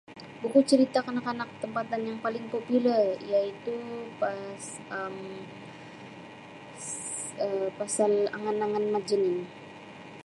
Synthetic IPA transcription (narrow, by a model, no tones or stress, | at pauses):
bukut͡ʃəɾit̪akanakanakt̪əmpat̪anjaŋpalɪŋpopilərjait̪upas | əm | əpasala̰ŋanaŋanmad͡ʒənɪn